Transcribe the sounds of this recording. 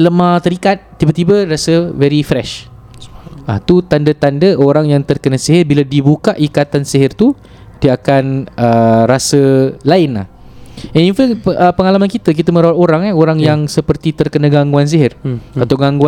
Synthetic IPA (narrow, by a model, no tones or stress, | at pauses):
ləmãht̪əɾikat̪̚ːibat̪ibərasəvɛɾifɾɛʃ | at̪ut̪andət̪andəʔoɾaŋjaŋt̪ərkənasiɦɪrbiladibukaʔikat̪ansiɦɪrt̪u | diəakanəɾasəlaɪnla̰h | ɛninfɛŋəpəŋalamankit̪ək̬it̪əmə̃ɾawat̪oɾaŋaoɾaŋjaŋsəpərt̪it̪ərkənaɡaŋɡuans̬iɦɪrat̪awɡaŋɡua